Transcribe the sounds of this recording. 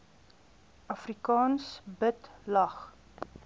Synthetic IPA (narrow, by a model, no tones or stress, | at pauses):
ʔɐfrikɑːnsbətlɐχ